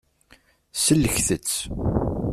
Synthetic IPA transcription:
səlːəçθət͡sː

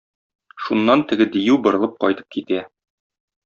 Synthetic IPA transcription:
ʃunːɑnt̪ɘ̆ɡɘd̪ijʉwbɤ̆ɾɤ̆lˠɤp̚qɒ̰jt̪ɤ̥p̚kit̪æ

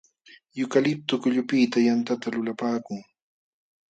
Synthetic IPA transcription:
jʊkalɪp̚t̪ʊkʊʎʊpiːt̪ajant̪at̪alʊlapaːkʊŋ

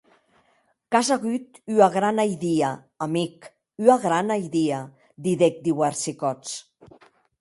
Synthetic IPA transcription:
kazaɣyt̪yaɣɾanajðiaː | mik | yaɣɾanajðia | d̪iðek̚d̪iwaɾsikɔt͡s

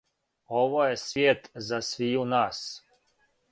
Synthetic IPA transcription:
ovojɛsvʲjet̪zasviunas

